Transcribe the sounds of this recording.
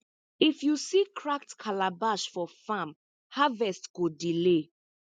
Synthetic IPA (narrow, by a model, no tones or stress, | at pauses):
ifjusikʰɹak̚tkʰalabaʃfɔfãm | havɛstɡ̥odile